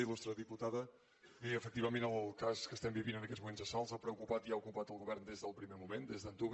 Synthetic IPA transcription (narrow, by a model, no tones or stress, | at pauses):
ilust̪ɾəðiput̪aðə | βiəfək̚t̪iβəmẽnəlˠlˠkaskəst̪ɛmbiβinənəkɛtzmumenzðəsalˠzapɾəukupat̪iaukupat̪əlˠɣuβɛɾnd̪ezðəlˠpɾimemumend̪ezðənt̪uβ